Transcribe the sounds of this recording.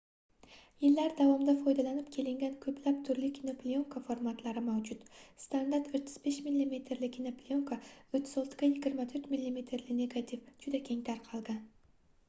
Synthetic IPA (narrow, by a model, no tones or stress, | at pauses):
jɪlːaɾd̪avɒmd̪afɒjd̪alanɪpkʲʰe̞lɪŋɡʲankʰɵplap̚t̪ʰʊɾlɪkʲʰinoplʲioŋkʰafoɾmat̪laɾɪmawd͡ʒʊt̪st̪and̪aɾt̪ɵt̪ʰːɪ̥z̥be̞ʃmilːime̞t̪ʰɾlɪkʲʰɪnoplʲioŋkʰaʊt̪ʰːɪzɒlˠt̪ʰɪ̥ɡʲajɪɡʲɪɾmat̪ʰɵɾt̪milʲːime̞t̪ʰɾlɪne̞ɡat̪ʰifd͡ʒʊd̪akʲʰe̞ŋt̪ʰaɾqʰɒlˠɡʲan